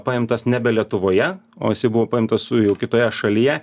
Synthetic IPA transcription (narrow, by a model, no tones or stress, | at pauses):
pɐɪmt̪ɐsnʲɛbʲɛlʲiɛt̪ʊʋoːjɛ | o̰ːjɪsʲɐɪbʊʋoːpɐɪmt̪ɐsʊjɛʊkʲɪt̪oːjɛʃɐlʲijɛ